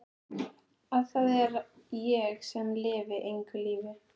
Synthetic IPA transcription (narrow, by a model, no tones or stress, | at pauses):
aðθaðɛɾ | jɛɣsɛmlɪːvɪʔejŋkʏliːvɪ